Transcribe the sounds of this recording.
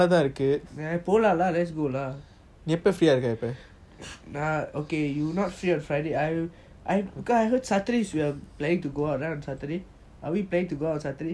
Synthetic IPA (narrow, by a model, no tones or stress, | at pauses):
at̪ãɹikət̚ajpolalalɛtsɡola | ŋɛpəfɹiaɾikətɛpə̃ | naokejunɔtfɹiɔ̃nfɹaɪdeaj | ʔajbikɔsajɦədsatəɾiswiəpleɪ̃ŋtuɡoaʊtɹãʊ̃nsatəde | ʔawipleɪ̃ŋtuɡoasat̪əɾe